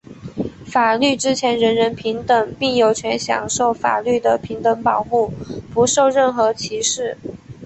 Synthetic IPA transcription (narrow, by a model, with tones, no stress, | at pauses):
fa˨˩ly˥˩ʈ͡ʂɻ̩˥t͡ɕʰjɛ˧˥nɻə˧˥nɻə˧˥npʰi˧˥ŋt̪ə˨˩˦ŋpi˥˩ŋjo˨˩ʊt͡ɕʰɥɛ˧˥nɕjɑ̰˨˩ŋʂo˥˩ʊfa̰˨˩ly˥˩d̪ə˩pʰi˧˥ŋt̪ə˧˥ŋpɑ˨˩ʊmu˥˩pu˧˥ʂo˥˧ʊɻə˥˩nxɤ˧˥t͡ɕʰi˧˥ʂɻ̩˥˩